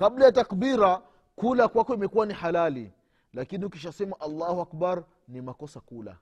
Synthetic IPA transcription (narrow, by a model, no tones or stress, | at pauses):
kablajatakbiɾa | kulakwakɔimɛkuwanihalali | lakiniukiʃasɛmaʔalːahuakbaɾ | nimakɔsakula̰